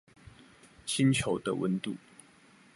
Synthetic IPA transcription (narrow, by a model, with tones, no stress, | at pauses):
t͡ɕʰi˦nt͡ɕʰjo˧˦ʊd̪ə˧wə̰˧˦nt̪u˥˩